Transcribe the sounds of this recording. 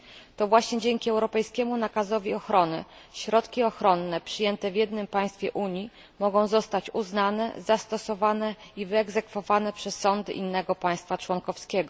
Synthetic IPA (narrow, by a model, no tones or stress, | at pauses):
t̪ɔvwaɕɲɛd͡ʑɛŋkʲiɛwɾɔpɛjskʲɛmunakazɔvʲiɔxɾɔnɘ̰ɕɾɔt̪kʲiɔxɾɔnːɛpʂɘjɛnt̪ɛvʲjɛd̪nɘmpaj̃st̪fʲjɛʔuɲji | mɔɡɔ̃w̃zɔst̪at͡ɕuznanɛ̰zast̪ɔsɔvanɛivɘɛɡzɛkfɔvanɛpʂɛsːɔnd̪ɘ̰ʔinːɛɡɔpaj̃st̪fat͡ʂwɔŋkɔfskʲɛɡɔ